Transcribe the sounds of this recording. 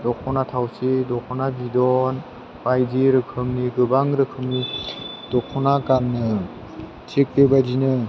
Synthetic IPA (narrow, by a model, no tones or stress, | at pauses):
dɔkʰɔnatʰawsidɔkʰɔnabidɔn | pajdiɾɯkʰɯmniɡɯbaŋɾɯkʰɯmni | d̥ɔkʰɔnakanːɯ | tʰik̚lebadinɯ